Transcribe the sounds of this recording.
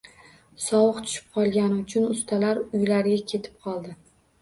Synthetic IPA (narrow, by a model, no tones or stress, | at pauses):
sɒwɨqt̪ʰʊ̥ʃɪ̥p̚qʰɒlˠɡʲanɪʊt͡ʃʰʊnʊst̪ʰalaɾʊjlaɾɡʲakʲʰe̞t̪ʰɪ̥p̚qʰɒlˠd̪ɪ